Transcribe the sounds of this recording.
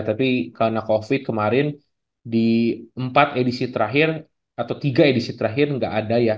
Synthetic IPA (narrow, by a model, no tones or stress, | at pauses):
t̪apikanakofɪt̪̚kəmaɾɪn | diəmpat̪edisit̪əɾaɦɪr | at̪awt̪iɡaedisit̪əɾaɦɪrŋɡaʔːdaja